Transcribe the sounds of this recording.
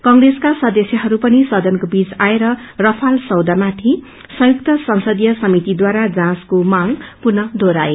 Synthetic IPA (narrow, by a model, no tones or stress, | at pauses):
kʌŋreskasʌd̪esjʌɦʌɾupʌnisʌd̪ʌnkobid͡zaeɾʌrʌpʰalsʌwd̪amat̪ʰi | sʌ̃juk̚t̪ʌsʌŋsʌd̪jʌsʌmit̪id̪waɾad͡zãskomaŋpurnʌd̪ʱoɾae